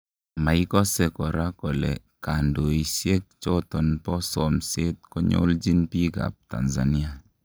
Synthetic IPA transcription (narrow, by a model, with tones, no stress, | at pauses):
ma˨i˦kɔ˦sɛ˨kɔ˨ɾa˦kɔ˨lɛ̰˨ | ka˨ndo˨i˨sje˦k̚t͡ʃɔ˦tɔ˨npɔ˦sɔ˨mse˦t̚kɔ˦ɲo̰˦ld͡ʒi˦npi˦ka̰˨p̚ta̰˨nza˨ni˦a˨